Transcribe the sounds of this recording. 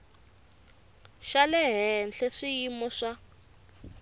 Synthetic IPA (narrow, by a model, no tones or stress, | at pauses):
ʃalɛɦɛnɬʰɛʂijimɔʂa